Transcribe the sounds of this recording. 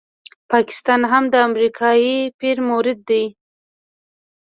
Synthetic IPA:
pɑkɪ̥st̪ɑnɦamd̪əamɾikʰɑjipiɾmoɾɪd̪ːaj

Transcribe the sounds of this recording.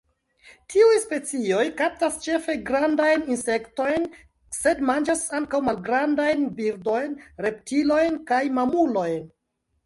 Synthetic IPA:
tʰiujspe̞t͡sio̞jkap̚tast͡ʃe̞fe̞ɡɾandajninse̞kto̞jn | se̞dmand͡ʒasaŋkawmalɡɾandajnbiɾdo̞jnɾe̞ptilo̞jnkajmamulo̞jn

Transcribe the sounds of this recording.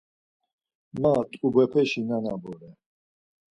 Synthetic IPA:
mat̪ʼubɛpʰɛʃinanabɔɾɛ

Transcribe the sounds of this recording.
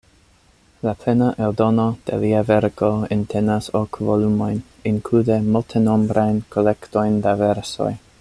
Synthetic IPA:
lapʰlenaʔeldo̞no̞d̥ḛliaveɾko̞entʰenasokvolumo̞jn | inkludemultʰeno̞mbɾajnkʰo̞le̞kto̞jndaveɾso̞̰j

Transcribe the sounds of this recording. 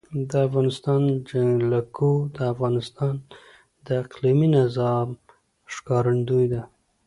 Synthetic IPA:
d̪əafɣɑnɪst̪ɑnd͡ʒaŋlakʰud̪əafɣɑnɪst̪ɑn | d̪əɪqliminazɑm | ʂkɑɾand̪ujd̪a

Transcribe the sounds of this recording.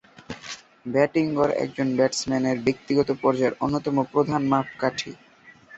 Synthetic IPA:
bɛʈiŋɡɔɾɛ̰k̚d͡ʑonbɛʈsmɛneɾbek̚t̪iɡɔt̪opɔɾd͡ʑaeɾʔonːot̪ɔmopɾod̪ʱanmap̚ʰkaʈʰḭ

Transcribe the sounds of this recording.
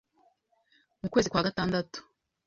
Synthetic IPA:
mukwe̞ːzikwaːɡataːndatu̥

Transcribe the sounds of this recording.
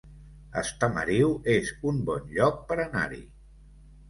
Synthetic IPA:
əst̪əmə̰ɾiwezumbɔnʎɔk̚pəɾəna̰ɾḭ

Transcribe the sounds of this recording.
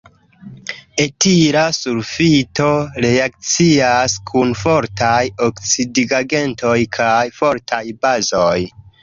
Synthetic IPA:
e̞tiɾasuɾfito̞ɾe̞ak̚t͡siaskʰunfo̞ɾtajokt͡sidiɡaɡe̞nto̞jkʰajfo̞ɾtʰajbazo̞j

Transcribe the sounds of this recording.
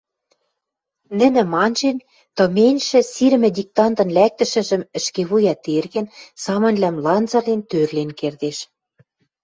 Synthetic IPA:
nɘ̆nɘ̆mɑnʒen | t̪ɤ̆menʲʃɘ̆siɾ̆mɘ̆d̪ʲik̚t̪ɑnt̪ɤ̆nlæk̚t̪ə̆ʃɘ̆ʒə̆mɘ̆ʃkeβujɑt̪erɣɘ̆nsɑmɤ̆nlæmlɑnt͡sɑrlent̪ørlenkerd̪eʃ

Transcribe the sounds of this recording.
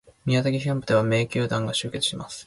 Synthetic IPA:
mʲiat̪aɡʲiãmpɯ̟d̪e̞β̞ame̞ːkʲɨːd̪ãŋɡaɕɨːke̞t͡sɨ̥ɕimasɨ̥

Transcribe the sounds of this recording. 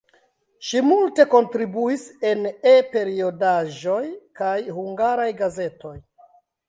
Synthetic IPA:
ʃimulte̞ko̞ntɾibuise̞nepe̞ɾio̞daʒo̞jkajhuŋɡaɾajɡaze̞to̞j

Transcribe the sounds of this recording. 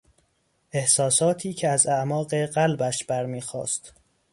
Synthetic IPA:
ʔe̞hsɒːsɒːt̪ʰiːcʰeæzæʔmɒːɢeɢælbæʃbæɾmiːxɒ̰ːst̪

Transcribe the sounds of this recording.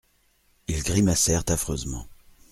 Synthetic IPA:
ilɡʁimasɛʁt̪afχøzmɑ̰̃

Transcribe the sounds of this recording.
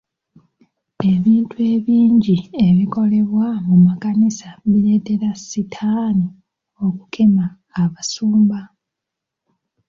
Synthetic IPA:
e̞βiːntue̞ːβiːɲɟie̞βiko̞le̞βwamumakanisaβiɾe̞ːte̞ɾasitʰaːni | o̞ku̥kʰe̞maː | βasuːmba

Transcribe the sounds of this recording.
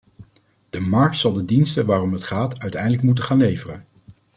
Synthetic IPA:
d̥əmɑɹk̚tsɑlˠdədinstəʋaːrɔmɦətχaːtœɥtɛjndələk̚mut̬əχaːnlejvərən

